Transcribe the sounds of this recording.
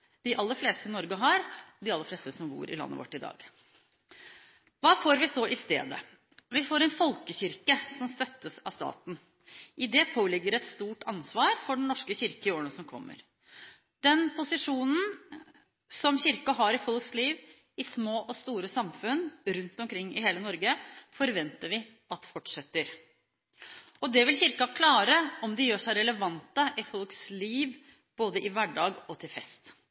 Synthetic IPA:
d̪̥ɪʔɑlːəfleːst̪əɪnɔɾɡəɦɑɾd̪ɪɑlːəfleːst̪əsɔmbṵːɾɪ̰lɑ̰nːə̰ʋɔ̰ʈːɪd̪ɑ̰ːɡ | ʋɑːfoːɾʋɪsɔʔɪst̪ḛːd̪ə̰ | ʋɪfoːɾɛnfɔlkəçɪɾkəsɔmst̪œt̪ːəsɑ̰st̪ɑ̰ːt̪n̩ | ʔɪd̪ɛpʰoːlɪɡːəɾɛt̪st̪uːʈɑnsʋɑːɾfɔɖɛɳ̩nɔʂkəçɪɾkəɪoːəɳəsɔmkʰɔ̰mːə̰ɾ | d̪̥ɛnpʰʊsɪʂuːnn̩ | sɔmçɪɾkɑɦɑɾɪfɔlˠksliːʋ | ɪsmoːʔɔst̪uːɾəsɑmfʉnɾʉnt̪ɔmkʰɾɪŋːɪɦeːlənɔɾɡəfɔɾʋɛnt̪əʋɪ | ɑt̪̚d̪ɛfɔʈʂɛt̪ːəɾ | ɔd̪ɛʋɪlçɪɾkɑkʰlɑːɾəɔmd̪ɛjøːʂæɪɾɛləʋɑnt̪əʔɪfɔlksliːʋ | b̥oːd̪əʔɪʋæɖɑːɡɔt̪ʰɪlfɛst̪

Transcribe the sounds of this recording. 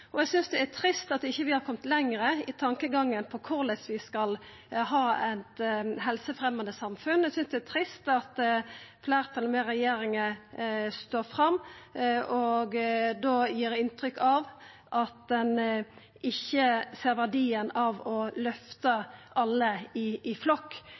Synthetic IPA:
ɔɛɡsʏnsd̪ɛæt̪ʰɾɪst̪ɑt̪ːɪçːəʋɪhɑɾkʰɔmt̪lɛŋɾəɪt̪ʰɑŋkəɡɑŋːənpʰɔkʰʊɾlɛsʋɪskɑl | ɦɑːɛt̪ɦɛlsəfʁɛmːɑnd̪əsɑmfʉnɛɡsʏnsd̪ɛæt̪ʰɾɪst̪ɑt̪fleɪʁt̪ʰɑlmeːɾɛjeːɾɪŋəst̪oːfʁɑmː | ɔɡd̪oːjiːɾɪnt̪ɾʏkʰːɑʋ | ʔɑt̪̚d̪ɛn | ʔɪçːəseːɾʋæʁɖiːənɑʋɔlœft̪əʔɑlːəɪːflɔkː

